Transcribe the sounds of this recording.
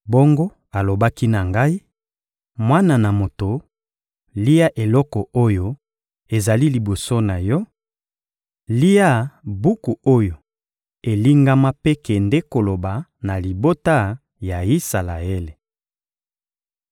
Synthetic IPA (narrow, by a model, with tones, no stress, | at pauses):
bo˦ŋɡo˦ | a˨lo˨ba˦ki˦na˨ŋɡa˦i˦ | mwa˦na˨na˨mo˨to˨ | li˦a˦ʔe˨lɔ˦kɔ˨o˦jo˦ | e˨za˨li˦li˨bo˨so˦na˨jɔ˦ | li˦a˦˨bu˦ku˨o˦jo˨ | e˨li˦ŋɡa˦ma˦pe˦kɛ˨nde˦ko˨lo˨ba˨na˨li˨bo˦ta˦ | ja˨i˦sa˨la˨e˦le˨